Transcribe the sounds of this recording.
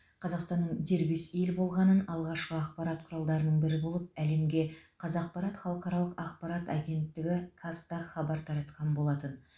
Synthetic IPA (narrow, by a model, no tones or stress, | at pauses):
qʰɑzɑqst̪ɑnːəɴd̪e̞ɾbeselbo̞lˠʁɑnənɑlˠʁɑʃqəɑqpɑɾɑt̪qʰʊɾɑlˠd̪ɑɾənəɴbɪɾɪbo̞lˠəp̚æle̞mɡʲe̞qʰɑzɑq̚pʰɑɾɑt̪χɑlˠəqɑɾɑlˠəqɑq̚pɑɾɑt̪ɑɡʲe̞nt̪ːɪɡʲɪkʰast̪aχɑbɑɾt̪ʰɑɾɑt̪qɑnbo̞lˠɑt̪ən